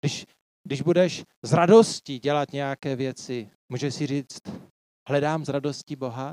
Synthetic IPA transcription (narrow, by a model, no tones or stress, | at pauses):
ɡdɪʃ | dɪʒbudɛʃ | zɾadosciɟɛlat̪ɲɛjakɛːvjɛt͡sɪ | muːʒɛsɪriːt͡st̪ | hlɛdaːmzɾado̞scibo̞ɦa